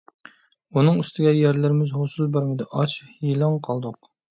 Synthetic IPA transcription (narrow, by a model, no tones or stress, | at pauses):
unɨŋyst̪ʰɪɡʲɛjæɾlɪɾɪmɪzhosulˠbæɾmɪd̪ɪʔɑt͡ʃhilˠɑŋqʰɑlˠd̪ʊq